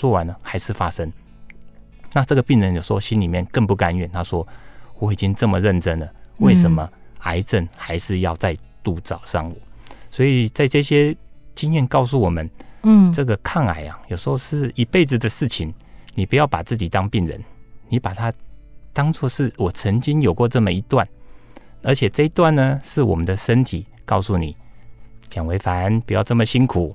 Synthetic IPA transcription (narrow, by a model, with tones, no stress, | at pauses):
wɔ˥wa˧˦nə˧xa˧˥ɪʂɻ̩˥˩fa˥ʂə˦˥ŋ | na˥˧ʈ͡ʂɤ˥˩ɡə˩pi˥˩ŋɻə˧˦njo˨˩ʂ̩˧˥xo˥˧ɕi˦˥nli˨mjɛ˥˨nkə˥˧ŋpu˥˩ka˧˦nɥɛ˨˩nt̪ʰa˦ʂwɔ˦˥wɔ˧˥i˨˩t͡ɕi˦ŋt͡sə˥˩mə˨ɻə˥˩nt͡sə˥nlə˨we˥˩ɪʂə˧˦nmə˨a˧˥ɪʈ͡ʂə˥˩nxa˧˥ɪʂɻ̩˥˧jɑ˥˧ʊt͡sa˥˧ɪt̪u˥˧t͡sɑ˨˩ʊʂɑ̰˥˧ŋṵ˨˦swɔ˧˥i˨˩t͡sa˥ɪʈ͡ʂɤ˥˧ɕjɛ˥t͡ɕi˥njɛ˥˨nkɑ˥˧ʊs̬u˥˩wɔ˨˩mə˦nʈ͡ʂɤ˥˩ɡə˨kʰɑ˥˩ŋa̰˨˩ɪa˨˩jo˨˩ʂɻ̩˧˥xo˥˧ʂɻ̩˥˩i˧pe˥˩ɪd͡zɹ̩˨d̪ə˨ʂɻ̩˥˩t͡ɕʰi˨˩nni˨˩pu˧˦jɑ˥˩ʊpa˨˩t͡sɹ̩˥˩t͡ɕi˨˩t̪ɑ˥ŋpi˥˩ŋɻə̰˧˦nni˨˦pa˨˩t̪ʰa˦t̪ɑ˥ŋt͡swɔ˥˧ʂɻ̩˥˩wɔ˨˩t͡sʰə˧˥ŋt͡ɕi˥njo˨˩ʊkwɔ˥˧ʈ͡ʂɤ˥˩mə˨i˧˥t̪wa˥˨n | ə˞˧˥t͡ɕʰjɛ˨˩t͡sɤ˥˧i˧t̪wa˥˩nːə˨ʂɻ̩˥˩wɔ̰˨˩mə˨˦nd̪ə˨ʂə˦˥nt̪ʰi˨˩˦kɑ˥˧ʊsu˥˩ni˨˩˦t͡ɕjɑ˨˩ŋwe˧˥ɪfa˨˦˥npu˨˥jɑ˥˧ʊʈ͡ʂɤ˥˩mə˨ɕi˥nkʰu˨˩˦